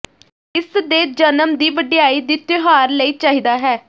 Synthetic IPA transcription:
ɪsd̪eːd͡ʒənəmd̪iːʋəɖɪjaːiːd̪iːt̪ɪɦaːɾləiːt͡ʃaːɦiːd̪aːɦɛː

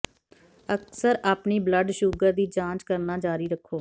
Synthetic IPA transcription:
əksəɾaːpniːbləɖʃuːɡəɾd̪iːd͡ʒãːt͡ʃkəɾnaːd͡ʒaːɾiːɾəkʰːoː

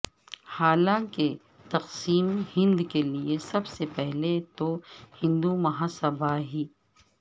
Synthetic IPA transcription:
haːlãke | t̪ɐqsiːmhɪ̃nd̪keliesɐbsepɛɦlet̪ohɪ̃nd̪umɐɦaːsɐbʱaɦiː

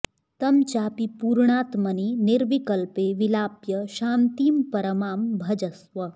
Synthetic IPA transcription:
t̪ɐmt͡ʃaːpipuːɾɳaːt̪mɐniniɾʋikɐlpeːʋilaːpjɐʃaːnt̪iːmpɐɾɐmaːmbʱɐd͡ʒɐsʋɐ

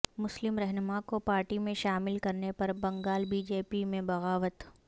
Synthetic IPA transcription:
mʊslɪmɾɛɦnʊmakopaːɾʈimẽʃaːmɪlkɐɾnepɐɾbɐ̃ŋɡaːlbiːd͡ʒeːpimẽbɐɣaːʋət̪

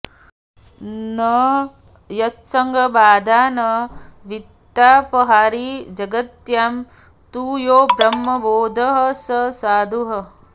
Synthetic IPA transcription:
nɐ | jɐt̪sɐŋɡʱɐbaːd̪aːnɐʋit̪ːaːpɐɦaːɾid͡ʒɐɡɐt̪jaːm | t̪uːjoːbɾɐmːɐboːd̪ʱɐɦɐ̆sɐsaːd̪ʱuɦɐ

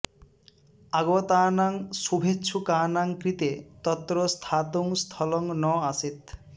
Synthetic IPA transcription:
aɡot̪aːnaŋʃubʱetːɕʰukaːnaŋkɾit̪et̪ɔt̪ːɾost̪ʰat̪uŋst̪ʰɔlɔŋnɔaset̪

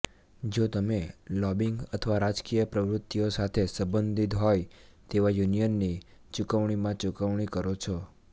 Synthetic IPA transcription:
d͡ʒot̪əmelɔbiŋɡət̪ʰəʋaɾad͡ʒkijəpɾəʋɾʊt̪ːijosat̪ʰesəbənd̪ʱit̪ɦɔj | t̪eʋajunijənːi | t͡ʃukəʋɳ̃imãt͡ʃukəʋɳ̃ikəɾot͡ʃʰɔ

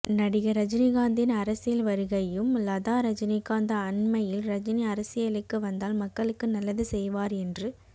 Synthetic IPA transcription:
nɐɽɪjɐɾɐd͡ʒɪniɣaːnd̪ɪnɐɾɐsɪjɐlʋɐɾɯɣɐjɯmlɐðaːɾɐd͡ʒɪnikaːnd̪ɐːnmɐjɪlɾɐd͡ʒɪniɐɾɐsɪjɐlɪkːɯʋɐnd̪aːlmɐkːɐɭɯkːɯnɐlːɐðɯsɛjʋaːɾɛndrɯ

